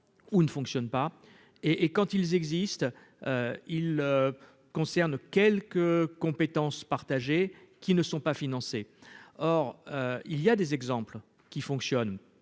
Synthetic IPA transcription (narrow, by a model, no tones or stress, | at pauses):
unəfɔ̃ksjɔnpa | eʔːkɑ̃t̪ilzɛɡzist̪ | øil | kɔ̃sɛʁnkʲɛlkəkɔ̃pet̪ɑ̃spaʁt̪aʒekʲinəsɔ̃pafinɑ̃seɔʁøilijad̪ezɛɡzɑ̃pl | kʲifɔ̃ksjɔn